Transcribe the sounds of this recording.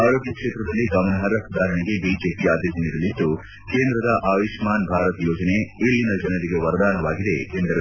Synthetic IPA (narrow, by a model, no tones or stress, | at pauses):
aːɾoːɡjɐkʂeːt̪ɾɐd̪ɐlːiɡɐmɐnɐɦɐɾɐkud̪aːɾɐɳiɡe̞biːd͡ʒe̞ːpiaːd̪ed͡ʒɐniɾɐlid̪ːu | ke̞ːnd̪ɾɐd̪ɐʔaːʋiʂmaːnbʱaːɾɐt̪jɔːd͡ʒɐne̞iɭːinɐd͡ʒɐnɐɾiɡe̞ʋɐɾd̪aːnɐʋaːɡid̪e̞̰ːnd̪ɾɐ